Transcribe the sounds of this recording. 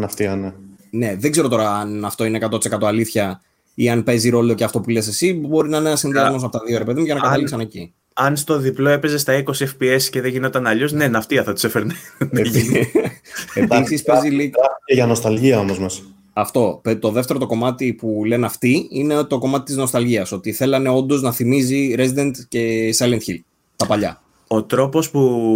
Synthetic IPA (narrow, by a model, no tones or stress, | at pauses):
nɐft̪iɐnene̞ðeɡze̞ɾo̞t̪o̞ɾɐːnɐft̪̞ineːkɐt̪ot̪isekɐt̪o̞ɐliθçɐ | iɐnpe̞ziɾo̞lo̞ceɐft̪o̞pule̞se̞sibo̞ɾinɐenenɐsinðiɐzmo̞s̬ɐpot̪ɐðioɾepe̞ðiumʝɐnɐkɐt̪ɐliksɐne̞ci | ɐnst̪o̞ðiplo̞e̞pe̞zest̪ɐiko̞siefpiesce̞ðeʝino̞t̪ɐnɐʎo̞sne̞nɐft̪iɐθɐt̪i̥sefeɾnne | esispeziliɐeʝɐno̞st̪ɐlʝiɐomozmɐs | ɐft̪o̞pet̪o̞ðe̞ft̪eɾot̪o̞ko̞mɐt̪ipule̞nɐft̪iine̞t̪o̞ko̞mɐt̪i̥t̪izno̞st̪ɐlʝiɐso̞t̪iθe̞lɐne̞o̞nd̪o̞znɐθimiziɾezid̪e̞nt̪ce̞sɐlent̪çil | t̪ɐpɐʎɐ̰ | o̞t̪ɾo̞po̞spu